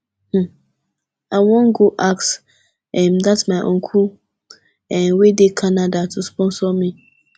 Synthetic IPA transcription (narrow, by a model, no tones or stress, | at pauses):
h̩ | awɔ̃nɡoʔaks | ɛmdatsmaɪʔɔ̰̃ŋkʰul | ɛnwedekʰanadatʰuspɔ̃nsɔmĩ